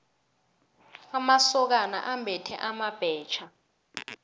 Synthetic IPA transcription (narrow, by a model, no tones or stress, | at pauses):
amasɔk̬ana̰ʔambʱɛtʰɛ̰ʔamab̥ʱɛːt͡ʃʰa